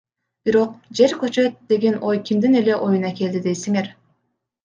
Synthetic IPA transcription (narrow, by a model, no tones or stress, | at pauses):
b̥iɾo̞q̚d͡ʒe̞ɾkøt͡ʃø̞t̪̚d̪e̞ɡe̞no̞jkʲʰimd̪ine̞le̞ʔo̞junɑkʲe̞ld̪id̪e̞jsiŋe̞ɾ